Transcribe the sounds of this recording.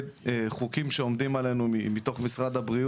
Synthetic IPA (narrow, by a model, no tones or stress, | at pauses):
eχukimʃeomd̪imale̞nuimit̪o̞χmisʁad̪abʁi